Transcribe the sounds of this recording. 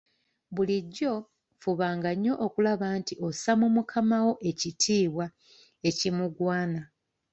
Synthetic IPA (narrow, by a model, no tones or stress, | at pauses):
βuliɟːo̞ | fuβaːŋɡaɲːo̞ʔokulaβaːntiʔo̞samumukʰamawo̞ʔe̞citʰiːβwa | e̞cimuɡwaːna